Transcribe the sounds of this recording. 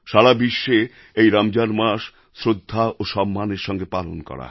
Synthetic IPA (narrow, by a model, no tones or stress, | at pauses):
ʃaɾabiʃːe | ejɾamd͡ʑanmaʃ | sɾod̪ʱːaʔoʃɔmːaneɾʃɔŋɡepalonkɔ̰ɾa̰